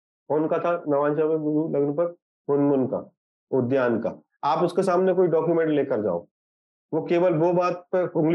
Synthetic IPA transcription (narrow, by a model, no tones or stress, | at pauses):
foːnkat̪ʰanɐʋãːnʃaːʋeɡʊɾulɐɡnpɐɾ | ʊnmʊnka̰ | ʊd̪jaːnka̰ | aːpʊskesaːmnekoːiɖɔːkjumɛ̃ɳʈleːkɐɾd͡ʒa̰ːo̰ː | ʋoːkeːʋəlboːbaːt̪̚pəɾʊ̃ŋɡl